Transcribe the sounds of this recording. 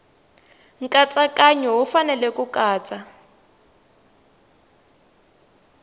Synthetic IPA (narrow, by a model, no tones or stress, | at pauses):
ŋ̩kʼat͡sʼakʼaɲɛɦufanɛlɛkukʼaːt͡sʼa